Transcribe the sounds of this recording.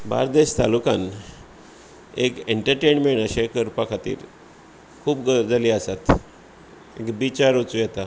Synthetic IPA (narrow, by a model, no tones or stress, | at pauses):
ba̰ɾd̪eɕt̪alukan | ekeɳʈəɾʈeɳmeɳəɕekəɾpakʰat̪ḭːɾ | kʰuːbɡəd͡zəliːasat̪ | ekbit͡ɕaɾut͡sujɛt̪a